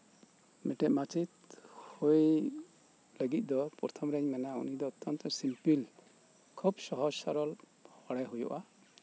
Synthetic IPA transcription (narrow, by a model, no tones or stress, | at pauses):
mɛʈɛʔmat͡ʃit̪̚huj | ləɡit̪̚ˀd̪ɔpɔɾt̪ʰɔmɾɛɲmɛnaṵnid̪ɔːt̪ːɔnt̪ɔsimpil | kʰubsɔɦɔsa̰ɾɔl | hɔɽajɦujɔ̰ʔa